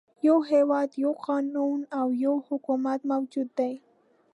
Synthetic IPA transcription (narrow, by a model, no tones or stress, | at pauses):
jowɦewad̪jowqʰɑːnunawjowhʊkumat̪mawd͡ʒʊd̪aj